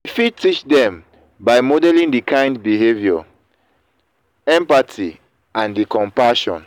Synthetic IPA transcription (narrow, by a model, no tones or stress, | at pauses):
ifitit͡ʃdɛ̃m | baɪmɔdɛlĩŋdikʰãɪ̃ndbiɦevjɔ | ɛ̃mpatʰi | ãndikʰɔ̃mpaʃɔ̰̃n